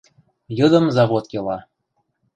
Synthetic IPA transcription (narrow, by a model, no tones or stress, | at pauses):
jɤd̪ə̆mzɑβot̪kʲelɑ